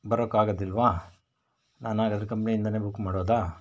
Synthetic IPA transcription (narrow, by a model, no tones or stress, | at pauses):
bɐɾoːkːaːɡɐd̪ilʋaː | naːnaːɡɐd̪ɐɾkɐmpniind̪ɐne̞ːbukmaːɽoːd̪aː